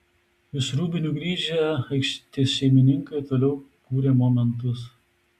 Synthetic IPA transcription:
jɪsɾuːbʲɪnʲuːɡɾʲiːʒʲɛɐɪkʃʲt̪ʲiʃʲɛɪmʲɪnʲɪŋkɐɪt̪oːlʲɛʊkuːɾʲeːmɔmʲɛnt̪ʊs

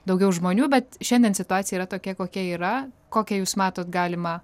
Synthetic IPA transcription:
d̪ɐʊɡʲɛʊʒmoːnʲuːbʲɛt̪ʃʲɛnʲd̪ʲɛnsʲɪt̪ʊɑːt̪sʲɪjɛiɾɐt̪oːkʲɛkoːkʲiɛiːɾɐkoːkʲɛjuːsmɑːt̪oːt̪ɡɑːlʲɪmɐ

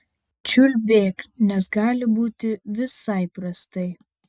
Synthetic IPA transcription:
t͡ʃʲʊlʲbʲeːknʲɛsɡɑːlʲɪbuːt̪ʲɪʋʲɪsɐɪpɾɐst̪ɐɪ

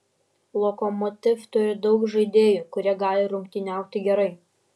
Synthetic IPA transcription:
lˠɔkɔmɔt̪ʲɪft̪ʊɾʲɪd̪ɐʊkʒɐɪd̪ʲeːjuːkʊɾʲiɛɡɑːlʲɪɾʊmʲkʲt̪ʲɪnʲæˑʊkt̪ʲɪɡʲɛɾɐɪ

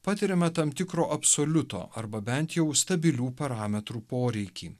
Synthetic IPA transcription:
pɑːt̪ʲɪɾʲɛmʲɛt̪ɐmt̪ʲɪkɾoːʔɐpsoːlʲʊt̪o̰ːʔɐɾbɐbʲɛnt̪jɛʊst̪ɐbʲɪlʲuːpɐɾɑːmʲɛt̪ɾuːpoːɾʲɛɪkʲiː

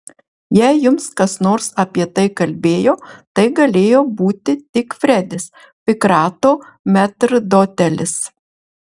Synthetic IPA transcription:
jɛɪjʊmskɐsnoːɾsɐpʲiɛt̪ɐɪkɐlʲbʲeːjoːt̪ɐɪɡɐlʲeːjoːbuːt̪ʲɪt̪ʲɪkfʲɾʲɛd̪ʲɪs | pʲɪkɾɑːt̪oːmʲæt̪ɾd̪oːt̪ʲɛlʲɪs

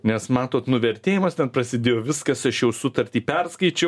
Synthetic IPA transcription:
nʲɛsmɑːt̪oːt̪nʊʋʲɛɾʲt̪ʲeːjɪmɐst̪ʲɛnpɾɐsʲɪd̪ʲeːjoːʋʲɪskɐsɐʃjɛʊsʊt̪ɐɾʲt̪ʲiːpʲɛɾskɐɪt͡ʃʲɛʊ

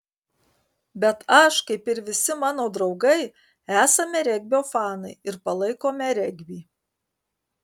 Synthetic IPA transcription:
bʲɛt̪ɐʃkɐɪpɪɾʋʲɪsʲɪmɑːnoːd̪ɾɒʊɡɐɪ | æːsɐmʲɛɾʲɛɡʲbʲoːfɑːnɐɪɪɾpɐlˠɐɪkoːmʲɛɾʲɛɡʲbʲiː

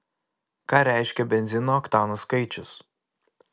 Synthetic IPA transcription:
kɑːɾʲæˑɪʃʲkʲɛbʲɛnʲzʲɪnoːɐkt̪ɑːnoskɐɪt͡ʃʲʊs

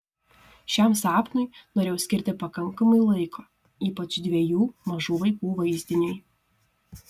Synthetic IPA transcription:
ʃʲɛmsɑːpnʊɪnoːɾʲeːjɛʊsʲkʲɪɾʲt̪ʲɪpɐkɐŋkɐmɐɪlˠɐɪkʰoː | iːpɐt͡ʃd̪ʲʋʲiɛjuːmɐʒuːʋɐɪkuːʋɐɪzʲd̪ʲɪnʲʊj

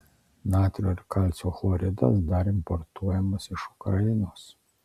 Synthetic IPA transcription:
nɑːt̪ʲɾʲoːɪɾkɑlʲt̪sʲoːxlˠɔːɾʲɪd̪ɐ̰sd̪ɐɾɪmpɔɾt̪uɔjɛmɐsɪʃʊkɾɐjɪnoːs

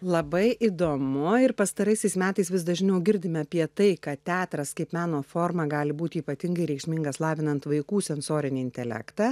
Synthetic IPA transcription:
lˠɐbɐɪʔid̪oːmʊɪɾpɐst̪ɐɾɐɪsʲɛɪsmʲæːt̪ɐɪsʋʲɪsd̪ɐʒʲnʲɛʊɡʲɪɾʲd̪ʲɪmʲɪɐpʲiɛt̪ɐɪkɐt̪ʲæːt̪ɾɐskɐɪpmɑːnoːfoːɾmɐɡɑːlʲɪbuːt̪ʲɪiːpɐt̪ʲɪŋɡɐɪɾʲɛɪkʃʲmʲɪŋɡɐslˠɑːʋʲɪnɐnt̪ʋɐɪkuːsʲɛnsoːɾʲɪnʲɪɪnʲt̪ʲɛlʲæ̰kt̪ɑː

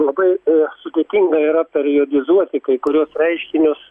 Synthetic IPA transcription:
lˠɐbɐɪsʊd̪ʲeːt̪ʲiŋɡɐiɾɐpʲɛɾʲjoːd̪ʲɪzuɔt̪ʲɪkɐɪkʊɾʲuɔsɾʲɛɪʃʲkʲɪnʲʊs

